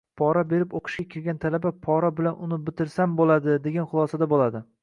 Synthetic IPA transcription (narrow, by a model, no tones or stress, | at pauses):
pʰɒɾabe̞ɾɪpoqʰɨ̥ʃkʲakʲʰɪɾɡʲant̪ʰalabapʰɒɾabɪlanʊnɪbɪt̪ɪɾsambolad̪ɪd̪e̞ɡʲanχʊlˠɒsad̪abolad̪ɪ